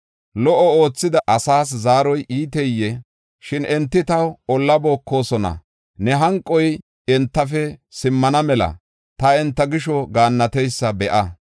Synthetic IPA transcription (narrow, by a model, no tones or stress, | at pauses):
lɔʔɔo̞ːt͡sːɪd̪ɐʔɐsaːs̬zaːɾɔjʔiːt̪ɛjːɛ | ʃɪnʔɛnt̪ːɪt̪ɐwɔlːɐbo̞ːkːo̞ːsɔnɐ̰ | nɛɦɐŋkʼːɔj | ɛnt̪ːɐfɛsɪmːɐnɐmɛlɐ̰ | t̪ɐɛnt̪ːɐɡɪʃɔɡaːnːɐt̪ɛjsːɐbɛʔɐ